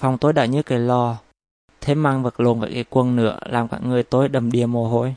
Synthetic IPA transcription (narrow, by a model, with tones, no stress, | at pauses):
fa˨˩wŋ͡mt̪o˨˦jɗa̰ː˧˩ɲɨ˨˧˥kaː˨˦jlɔ˧ | t̪ʰe˨˦mːaː˧ŋvə˨˩t̚lo˨˩nva̰ː˧˨˩jkaː˨˦jkwə˧nnɨ̰˧˥əlaː˨˩mkaː˧˥˩k̚ŋɨ˨˩əjt̪o˨˦jɗə˨˩mɗi˨˩əmo˨˩ɦo˧˩j